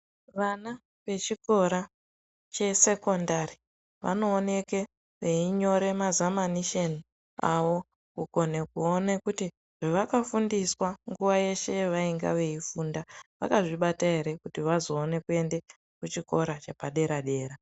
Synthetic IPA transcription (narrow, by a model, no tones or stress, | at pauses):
ʋana | ʋe̞t͡ʃiko̞ɾa | t͡ʃe̞se̞ko̞ndari | ʋa̰no̞ːne̞ke̞ | ʋe̞iɲo̞ɾe̞mazamaniʃeni | aʋo̞ | kuko̞ne̞kuonekuti | ʐ̥eʋakafundiswaŋɡuʋaje̞ʃe̞ʋaiŋɡa̰ʋe̞ifuːndaʋa̰kaʐiɓataɦe̞ɾe̞kutiʋazo̞ːne̞kue̞nde | kut͡ʃiko̞ɾat͡ʃe̞paɗe̞ɾaɗe̞ːɾa